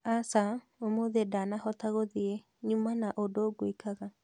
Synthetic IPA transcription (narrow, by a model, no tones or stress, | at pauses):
asa | omoðedanahɔtaɣoðie | ɲumanaʔodoɡwekaɣa